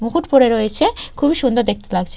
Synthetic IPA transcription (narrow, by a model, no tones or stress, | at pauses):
mukuʈpoɾeɾojet͡ɕʰekʰubiʃund̪oɾd̪ek̚ʰt̪e̥laɡt͡ɕʰe